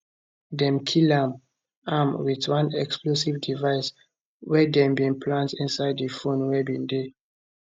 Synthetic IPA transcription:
dɛ̃mkʰilãm | amwitwãnɛksplosivdivaɪs | wɛdɛ̃mbĩŋpʰlãntĩnsaɪdəfõnwɛbĩnde

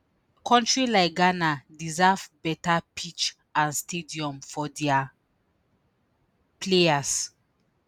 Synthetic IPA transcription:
kʰɔ̃ntɹilaɪɡanadizavbɛtapʰit͡ʃ | ãnstediɔ̃mfɔdɛa | plejas

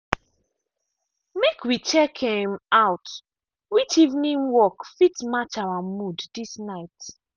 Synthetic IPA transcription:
mekwit͡ʃɛkʰẽmaʊt | wit͡ʃivnĩŋwɔkfitmat͡ʃawamuddisnaɪt

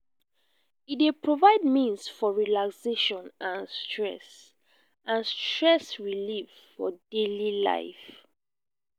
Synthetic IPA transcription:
it̚depʰɹovaɪd̚mĩnsfɔɹilakseʃɔ̃nãnstʰɹɛ̰s | ʔãnstɹɛsɹiliv | fɔ̰delila̰ɪf

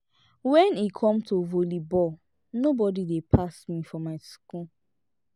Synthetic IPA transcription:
wɛ̃nikʰɔ̃mtʰovolibɔ | nobɔdidepʰasmifɔmaɪsku

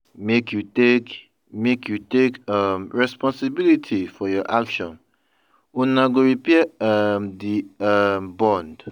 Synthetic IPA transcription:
mekʰjutek | mekjutekamɹɛspɔ̃nsibilitʰifɔjɔʔakʃɔ̃n | unãɡoɹipɛamdiambɔ̃nd

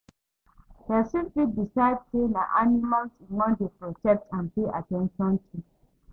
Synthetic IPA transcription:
d̥ɛsĩlplidisaɪd̚senaʔanimalsĩŋɔ̃ndepɹɔt͡ʃɛk̚tãnpeʔa̰tɛ̃nʃɔ̃ntʰu

